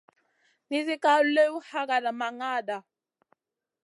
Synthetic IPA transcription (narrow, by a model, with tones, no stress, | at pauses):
ni˦zi˦ka˦lu˦le˦u˦ha˦ka˨da˨ma˨ŋaː˦˨da˨